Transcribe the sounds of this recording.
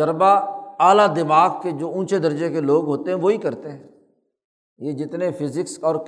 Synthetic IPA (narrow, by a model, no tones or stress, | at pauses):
əɾbaaːlad̪ɪmaːɡked͡ʒoːũːt͡ʃed̪əɾd͡ʒekeloːɡɦoːt̪eɦɛ̃ʋoːikɐɾt̪eɦɛ̃ː | jed͡ʒɪt̪nefpʰɪzɪksɔːɾk